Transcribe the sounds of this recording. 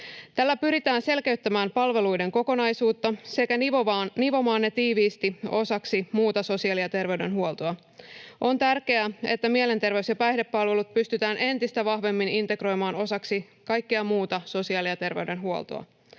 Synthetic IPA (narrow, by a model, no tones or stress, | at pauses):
t̪ælːæpyɾit̪æːnse̞lke̞yt̪ːæmæːmpɑlʋe̞lujde̞ŋko̞ko̞nɑjsuːt̪ːɑse̞kænoniʋo̞mɑːnːe̞t̪iːʋiːst̪io̞sɑksimuːt̪ɑso̞siɑliɑt̪e̞rʋe̞ɥɾe̞nɦuolt̪oɑ | ʔo̞nt̪ærke̞æe̞̰t̪ːæmie̞le̞nt̪e̞rʋe̞ysjɑpæjhde̞pːɑlʋe̞lut̪̚pyst̪yt̪æːnʔe̞nt̪ist̪æʋɑhʋe̞mːinint̪e̞kro̞jmɑːno̞sɑksi | kɑjkːeɑmuːt̪ɑso̞siɑliɑt̪e̞rʋe̞yɥde̞nɦuo̰lt̪o̰ɑ̰